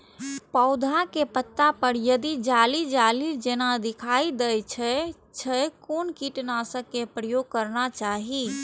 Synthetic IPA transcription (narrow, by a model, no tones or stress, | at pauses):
pəʊd̪ʱakepət̪ːapəɾjəd̪id͡ʒalid͡ʒalid͡ʒenad̪ikʰaid̪əjt͡ʃʰɛ | t͡ʃʰəkonkiʈnasəkːepɾəjoɡ̚kəɾnat͡ʃaɦi